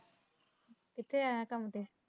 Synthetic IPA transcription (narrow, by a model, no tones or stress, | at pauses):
kɪt̪ʰːeajãkamt̪e